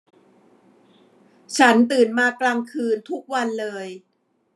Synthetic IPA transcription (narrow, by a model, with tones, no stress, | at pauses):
t͡ɕʰa˦˥nt̪ɯː˨˩nmaː˧klaː˧ŋkʰɯː˧nt̪ʰu˦˥k̚wa˧nlɤː˧j